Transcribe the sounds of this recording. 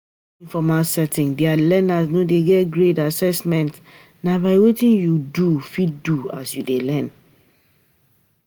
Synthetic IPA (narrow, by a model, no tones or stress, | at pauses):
ĩfɔmalsɛtĩŋdialɛnasnodeɡɛtɡɹetasɛsmɛ̃nt | nabaɪwetĩnjudufit̚dua̰sjudelɛ̃n